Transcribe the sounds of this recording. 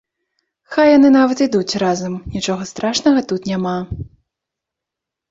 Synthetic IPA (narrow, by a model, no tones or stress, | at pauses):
xajːanɨnavɐt̪id̪ut͡sʲrazɐmnʲit͡ʂɔɣɐst̪ɾaʂnɐɣɐt̪ut̪nʲama